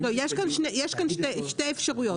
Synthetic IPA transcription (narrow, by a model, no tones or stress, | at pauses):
t̪ɐ̃w̃iaʃkɐ̃nd̪ʃnɛiaʃkɐ̃nʃt̪ɛʃt̪ɛfʃɐʁujo